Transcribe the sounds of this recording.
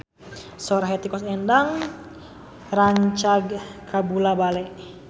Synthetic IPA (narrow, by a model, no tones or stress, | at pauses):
sɔɾaɦɛt̪ikɔsɛndaŋ | raɲt͡ʃaɡkabulabalɛʔ